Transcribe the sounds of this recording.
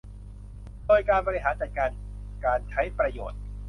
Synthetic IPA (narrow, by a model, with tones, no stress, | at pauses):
doː˧jkaː˧nbɔː˧ɾi˦˥ɦaː˩˦nt͡ɕa˨˩t̪̚kaː˧n | kaː˧nt͡ɕʰa˦˥jpɾa˧jo̰ː˨˩t̪̚